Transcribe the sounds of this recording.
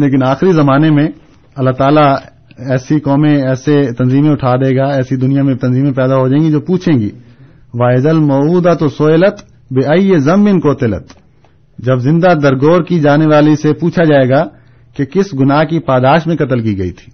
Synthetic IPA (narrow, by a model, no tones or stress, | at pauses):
leːkɪnaːxɾizɐmaːnemẽ | ɐlːaːɦt̪aːla | ɛːsikɔːmẽɛːset̪ɐnziːmẽʊʈʰaːd̪eːɡaɛːsid̪ʊnijamẽt̪ɐnziːmẽpɛːd̪aɦod͡ʒaẽːŋɡid͡ʒoːpuːt͡ʃʰẽːŋɡḭː | ʋaːɪzəlmɔːuːd̪at̪osoːɪlət̪ | beaiezɐmbɪnkoːt̪elə̰t̪ | d͡ʒɐbzɪ̃nd̪ad̪ɐɾɡoːɾkid͡ʒaːneʋaːlisepuːt͡ʃʰad͡ʒaːeːɡa | kekɪsɡʊnaːɦkipaːd̪aːʃmẽkɐt̪əlk̬iɡɐḭt̪ʰi̥ː